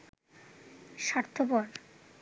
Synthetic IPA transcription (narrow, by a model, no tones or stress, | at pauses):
ʃaɾt̪ʰːopɔɾ